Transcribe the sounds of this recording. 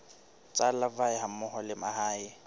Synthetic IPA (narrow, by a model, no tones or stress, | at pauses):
t͡sʼalavaɪɦamʊhɔlɪmahaːɪ